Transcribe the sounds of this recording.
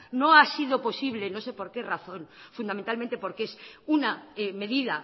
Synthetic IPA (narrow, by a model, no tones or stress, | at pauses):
no̞asiðo̞po̞siβle̞no̞sepo̞ɾke̞raθo̞nfund̪ament̪almẽnt̪e̞po̞ɾkeesunaeme̞ðiða